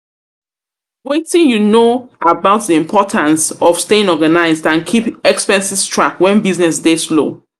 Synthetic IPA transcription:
wetĩnjunoabaʊt̚ðiĩmpʰɔtʰãnsɔv̥steɪ̃nɔɡanaɪzdãnkʰipɛkspɛ̃nsistʰɹakwɛ̃nbiznɛs̬deslo̰

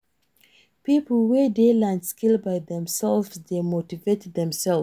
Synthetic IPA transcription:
pipl̩ˠwedelãndskʰilˠbaɪðɛ̃msɛlvsdemotivetðɛ̃msɛlˠ

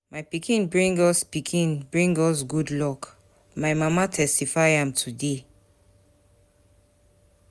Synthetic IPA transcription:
majpikʰĩnbɹĩŋɡɔspikʰĩnbɹĩŋɡɔs̬ɡudlɔk | maɪmamatʰɛstifaɪãmtʰude

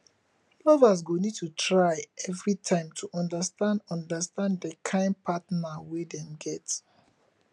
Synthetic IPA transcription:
lɔvas̬ɡonid̚tutʰɹaɪɛvɹitʰãɪ̃mtʰuʔɔ̃ndastãndɔ̃ndastãnddəkʰãɪ̃nd̚pʰatnawedɛ̃mɡɛt

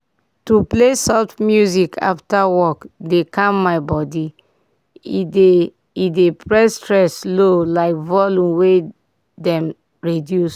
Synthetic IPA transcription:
tuplesɔtmjuzikʰa̰ftawɔkdekãmːaɪbɔdi | de | idepɹɛstɹɛslolaɪkvɔlũmwe | dɛ̃m | ɹidjus

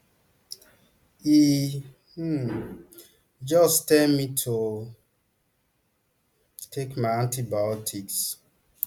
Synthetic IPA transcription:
i | d͡ʒɔstɛlmitʰo | tʰekmaãntibajɔtʰiks

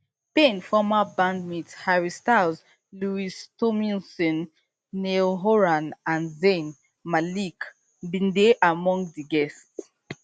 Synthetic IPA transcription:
pẽnfɔmabãndmithaɹistaz | luistɔmĩnsɔ̃nː | eoɦɔɹãnãnzen | malik | bĩndeʔamɔ̃ŋɡðiɡɛsts

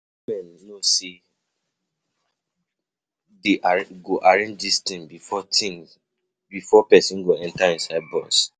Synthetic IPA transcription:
wimɛ̃nːosi | deʔaɡoʔaɾẽnd͡ʒdistĩmbifɔtĩ | bifɔpɛsĩnɡoɛ̃ntaĩnsaɪd̚bɔs

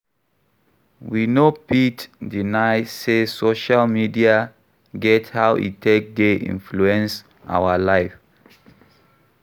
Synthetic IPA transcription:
winopitdinaɪsesoʃalmidia | ɡɛthawʔḭtʰek̚deʔḭ̃nfluɛ̃ns | ʔa̰ʊalaɪf

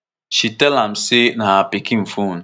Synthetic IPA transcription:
ʃitɛlam̩sɪnaapɪkim̩fun

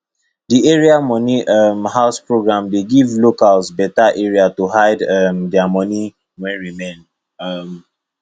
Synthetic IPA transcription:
dieɹiamɔniʌmhaʊspɹoɡɹãmdeɡivlokalzbɛtaʔeɹiatuhaɪdʌmdɛamɔni | wɛ̃nɹimẽn | ʌm

